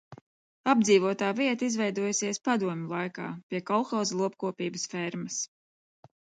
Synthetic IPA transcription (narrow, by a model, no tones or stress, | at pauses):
ab̚d̪ziːvuɔt̪aːviɛt̪aizvɛjd̪uɔjsiɛspad̪uɔmʲulˠajka̰ːpʲiɛkɔlˠxɔwzlˠuɔp̚kuɔpʲiːbəsfɛɾmɐs